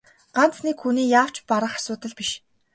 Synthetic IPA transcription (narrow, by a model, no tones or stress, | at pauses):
ɢ̥an̥t͡snikxuniːjaːw̥t͡ɕpaɾə̆χar̥ʲsʊːt̪ə̆ɮpiʃ